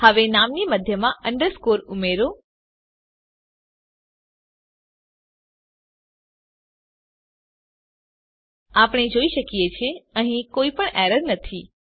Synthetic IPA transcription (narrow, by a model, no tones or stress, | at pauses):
həʋenamniməd̪ʱjəmãʔəɳɖəɾskoɾumeɾo | apəɳ̃ed͡ʒoiʃəkijet͡ʃʰeəɦĩkoipəɳʔɛɾəɾnət̪ʰi